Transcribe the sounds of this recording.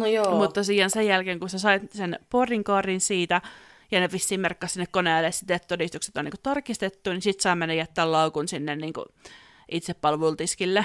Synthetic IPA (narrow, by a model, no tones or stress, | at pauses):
njoːmut̪t̪ːosijɑnsejjælkeːŋkunsesɑitsenporiŋkɑːrinsiːt̪æ | jɑnepisːiːmerkːɑsinːekkoneːlːesit̪et̪t̪odist̪ukse̥t̪onḭŋku̥t̪ɑrkist̪et̪ːunisit̪sɑimenːæjæt̪ːæːllɑukunsinːenniːŋkṵ | ʔit̪seppɑlʋult̪iskilːe